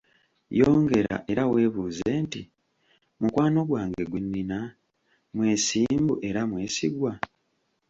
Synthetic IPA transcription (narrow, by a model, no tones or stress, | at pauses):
jo̞ːŋɡe̞ɾa̰ʔe̞ɾawe̞ːβuːze̞nti | mukwaːno̞ɡwaːŋɡe̞ɡwinːina | mwe̞ːsiːmbuʔe̞ɾamwe̞ːsiɡwa